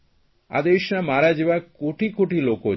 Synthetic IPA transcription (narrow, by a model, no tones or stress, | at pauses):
a̰d̪eiʃnamaɾad͡ʑibakoʈikoʈiloko